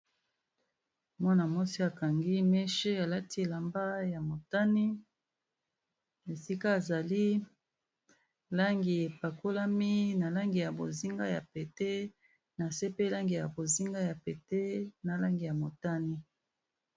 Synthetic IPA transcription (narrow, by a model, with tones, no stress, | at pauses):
mwa˦na˨mo˦si˦a˨ka˨ŋɡi˦mɛ˦ʃe˦a˨la˦ti˦e˨la˨mba˦ja˨mo˨ta˦ni˦ | e˨si˦ka˦e˨za˨li˦ | la˦ŋɡi˨e˨pa˨ko˦la˦mi˦na˨la˦ŋɡi˨ja˨bo̰˨zi˦ŋɡa˦ja˨pe˨te˦ | na˨se˦pe˦la˦ŋɡi˨ja˨bo˨zi˦ŋɡa˦ja˨pe˨te˦na˨la˦ŋɡi˨ja˨mo˨ta˦ni˦